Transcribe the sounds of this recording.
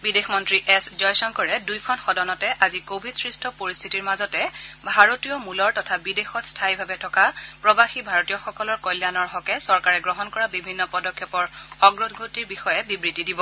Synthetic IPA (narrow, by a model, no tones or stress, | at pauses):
bidexmɔntɹiʔɛszɔjsɔnkɔɹɛdujkʰɔnxɔdɔnɔtɛʔazikobʱidsɹistʰɔpoɹistʰitiɹmazɔtɛbʱaɹotijɔmulɔɹtɔtʰabidexɔtstʰajbʱabɛtʰɔkapɹɔbaxibʱaɹotijɔxɔkɔlɔɹkɔjljanɔɹɦɔkɛsɔɹkaɹɛɡɹɔɦɔnkɔɹabibʱinːɔpɔdɔkʰːɛpɔɹɔɡɹɔdʰɡʱotiɹbixɔjɛbibɹitidibɔ